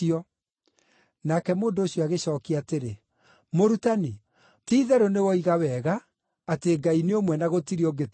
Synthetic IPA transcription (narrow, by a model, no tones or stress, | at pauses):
iɔ | nakɛmoːndoːɕjɔaɣeɕɔːkiateɾe | moɾutani | tiːðɛɾonewɔiɣawɛɣaː | teɡaineomwɛnaɣotiɾioɡet